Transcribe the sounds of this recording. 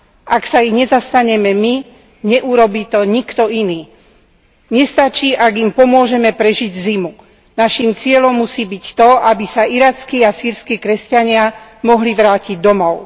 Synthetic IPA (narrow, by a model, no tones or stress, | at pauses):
ʔaksaiɣɲɛzast̪aɲɛmɛmi | ɲɛʔuɾɔbiːt̪ɔɲikt̪ɔiniː | ɲɛst̪at͡ʃiːʔaɡimpɔmʊɔʒɛmɛpɾɛʒiɟzimu | naʃiːmt͡sɪɛlɔmːusiːbict̪ɔabisaiɾaːt͡skiːasiːɾskiːkɾɛscaɲɪamɔɦliʋɾaːciɟ̚d̪ɔmɔʊ